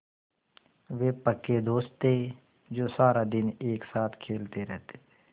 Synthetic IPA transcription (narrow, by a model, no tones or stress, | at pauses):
ʋeːpəkːed̪oːst̪e | d͡ʒoːsaːɾad̪ɪneːksaːt̪ʰkʰeːlt̪eɾɛɦt̪e̥t̪ʰe̥ː